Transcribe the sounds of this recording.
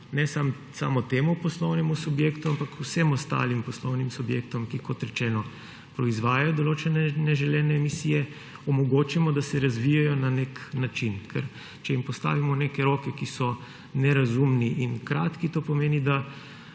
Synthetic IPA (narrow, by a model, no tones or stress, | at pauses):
nɛsam | sa̰ːmɔt̪eːmupɔslɔwnɛmusubjeːkt̪uampakusɛmɔst̪a̰ːlimpɔslɔwnimsubjeːkt̪ɔmkikɔt̪ɾɛt͡ʃɛːnɔ | pɾɔizʋaːjajɔd̪ɔloːt͡ʃɛnɛnɛʒɛljɛːnɛːmisiːjɛ | ɔmɔɡoːt͡ʃimɔd̪asɛɾazʋijajɔnaneknat͡ʃinkʰɛ̰ɾ | t͡ʃɛimpɔst̪a̰ːʋimɔneːkɛɾoːkɛkisɔ | nɛɾazumniʔinkɾaːt̪kit̪oːpɔmeːnid̪a